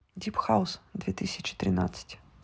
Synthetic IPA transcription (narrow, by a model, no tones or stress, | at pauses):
dʲipxaʊsd̪vʲɛt̪ɨsʲɐt͡ʃɪ̥t̪ɾɨna̰t̪sə̥tʲ